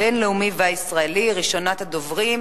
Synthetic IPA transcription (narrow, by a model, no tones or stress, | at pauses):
enleumiveaisʁaeliʁiʃo̞nat̪ad̪o̞vʁim